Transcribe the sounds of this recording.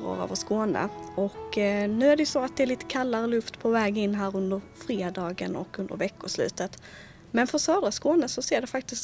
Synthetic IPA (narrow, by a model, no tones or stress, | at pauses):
ɾo̰ɾɑ̰ːvəʂkoːnə̰ɔknʉ̟ːæɖɛjʉsɔat̪̚d̪ɛæɾɭiːt̪ə̥kʰalːaɾəlɵft̪pʰɔvɛːɡɪnːɦæːɾɵnd̪əɾ | fɾeːd̪ɑːɡə̰nɔ̰kːɵnd̪ə̰ɾvɛkːʊʂlʉ̟̰ːt̪ət̪ | mɛnfœsœːd̪ɾaskoːnəsɔseːɖɛfak̚t̪ɪst̪